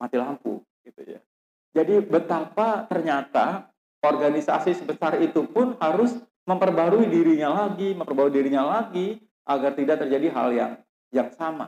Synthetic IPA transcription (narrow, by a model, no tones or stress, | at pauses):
mat̪ilampṵ | ɡ̥it̪uja̰ | d͡ʒadibət̪apat̪ərɲat̪a | ɔrɡanisa̰sisəbəsarit̪upʊnhaɾʊs | məmpərbaɾuidiɾiɲalaɡiməmpərbaɾuidiɾiɲalaɡi | ʔaɡart̪idaʔ̚t̪ərd͡ʒadiɦa̰lja̰ŋ | jaŋsama̰